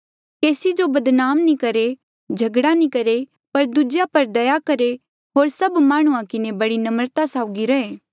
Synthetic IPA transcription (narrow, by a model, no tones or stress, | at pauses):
keːsid͡ʒobɐd̪naːmnĩkɐɾe | d͡ʒʱɐɡɽanikɐɾe | pɐɾd̪ud͡ʒjapɐɾd̪ɐjakɐɾe | ɦoːɾsɐbmaːɽ̃ũãkɪnebɐɽinɐməɾt̪asaːʊɡiɾɐɦeː